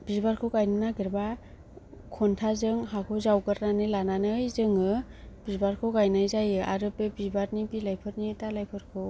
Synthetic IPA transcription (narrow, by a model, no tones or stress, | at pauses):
b̥izbaɾkʰɯwkajnɯnaɡiɾba | kʰɔntʰazɯŋɦakʰɯzawkɯɾnanɯjlananɯjzɯŋɯb̥izbaɾkʰɯkajnɯjzajɯʔa̰ɾɯpebibaɾnibilajpʰɯɾ̚nitalajpʰɯɾkʰɯw